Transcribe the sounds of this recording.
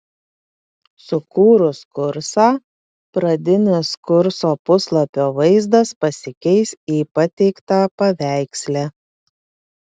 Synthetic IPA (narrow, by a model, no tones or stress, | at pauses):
sʊkuːɾʊskʊɾsɑː | pɾɐd̪ʲɪnʲɪskʊɾsoːpʊslˠɐpʲoːʋɐɪzd̪ɐspɐsʲɪkʲɛɪsiːpɐt̪ʲɛɪkt̪aːpɐʋʲæˑɪksʲlʲæ